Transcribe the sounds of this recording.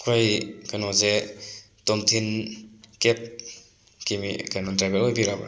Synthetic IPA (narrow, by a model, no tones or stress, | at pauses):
kʰojkanɔze | tɔmtʰinkep̚ | kimḭkanɔntɾajbelɔjbiɾaba̰